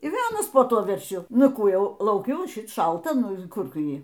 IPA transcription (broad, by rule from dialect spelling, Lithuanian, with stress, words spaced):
ɪr ˈʋʲeːlˠ ˈɑːnɐs poː ˈtuɔ ʋʲɛrʲˈʃʲʊ ˈnʊ ˈkuː ˈjɛʊ lˠɐʊˈkʲʊ oː ˈʃʲɪt ˈʃɐlˠtɐ ˈnʊ ˈkʊr ˈtʊ ˈjiː